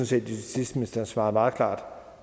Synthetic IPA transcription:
ɔnse̝̰ːd̥isisd̥mesd̥ɐhsʋɑ̈ːmɑ̈ːð̩ˠkʰlɑ̰̈ːd̥

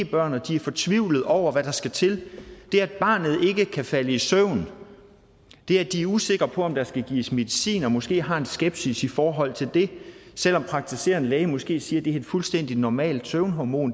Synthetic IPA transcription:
b̥ɶɐ̰nɒd̥iæɐfɒ̽t͡sʰʋiʊ̰lð̞̩ˠɒʊ̰ɐʋæɾ̥ɑ̈sɡ̥æt͡sʰe̝ld̥e̝ææd̥̚b̥ɑ̰̈ːnð̞̩ˠe̝ɡ̥əkʰæfæləisøʊn̩ | d̥e̝æd̥iæɐuse̝ɡ̥ɐpʰɒ̽ɒ̽md̥ɑ̈sɡ̥æɡ̥iːəsme̝ðˠisḭːnɒ̽mɒ̽sɡ̥e̝̰ːɦɑ̈e̝nsɡ̥eb̥sisifɒːɦɒ̽l̰t͡sʰe̝ld̥e̝sel̰ɒ̽mpʰʁɑ̈ɡ̥̚t͡sʰise̝̰ːɐnəlɛːəmɒ̽sɡ̥e̝̰ːsiːɐd̥e̝æe̝d̥fulsd̥en̰d̥inɒmɛ̰ːld̥søʊnɦɒmo̝̰ːn

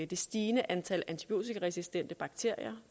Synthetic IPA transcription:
d̥e̝sd̥iːnəʔænt͡sʰælænt͡sʰi̥pʰio̝̰ːt͡sʰiɡʁɛsisd̥en̰d̥əb̥ɑ̈ɡ̥t͡sʰe̝ɐ̰ijɐ

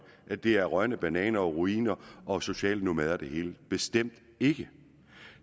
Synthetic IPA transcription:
ʔæd̥e̝æɐʁɶɐnəb̥ænɛ̰ːnɐɒʁuḭːnɐʔɒ̽so̝ɕɛ̰ːlənomæðˠɐd̥e̝he̝̰ːləb̥e̝sd̥em̰d̥ | e̝ɡ̥ə

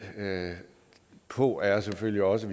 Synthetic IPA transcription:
pʰɔ̰æɐseføljiɒ̽səʋi

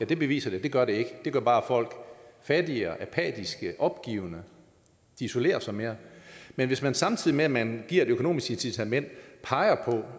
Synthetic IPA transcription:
jæd̥e̝b̥e̝ʋḭːsɐd̥e̝d̥e̝ɡ̥ɶɐɾe̝e̝ɡ̥əd̥e̝ɡ̥ɶɐb̥ɑ̈ːæfɒ̽l̰ɡ̥fæd̥iɐʔæpʰɛ̰ːd̥isɡ̥əʔɒ̽b̥̚ɡ̥ḭːʊnə | d̥iiso̝le̝̰ːɐsɑɪme̝ːɐmenʋe̝smænsɑ̈mt͡sʰið̰ˠimeæmænɡ̥iɐ̰ed̥økʰo̝no̝̰ːmisɡ̥ensʰit͡sʰæmen̰d̥pʰɑ̈ɪɐpʰɒ̽

